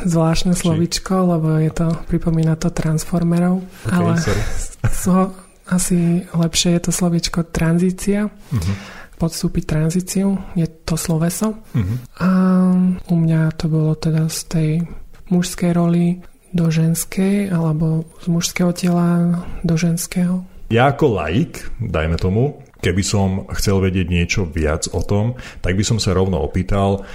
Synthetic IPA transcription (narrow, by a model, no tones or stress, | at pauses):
zʋlaːʃt̪nɛslɔʋit͡ʃkɔlɛbɔjɛt̪ɔpɾipɔmiːnat̪ɔt̪ɾansfɔɾmɛɾɔʊalɛ | sɔ | asilɛpʃɪɛjɛt̪ɔslɔʋit͡ʃkɔt̪ɾanziːt͡sia | pɔt̪st̪uːpit̪ɾanziːt͡siujɛt̪ɔslɔʋɛsɔ | a | umɲat̪ɔbɔlɔt̪ɛd̪ast̪ɛjmuʃskɛjɾɔli | d̪ɔʒɛnskɛjalɛbɔzmuʃskɛːɦɔcɛlad̪ɔʒɛnskɛːɦɔjaːkɔla̰jikd̪a̰jmɛt̪ɔmu | kɛbisɔmxt͡sɛlʋɛɟɪɛɟɲɪɛt͡ʃɔʋɪa̰d͡zɔt̪ɔmt̪aɡ̚bisɔmsaɾɔʊnɔ̰ɔ̰piːt̪al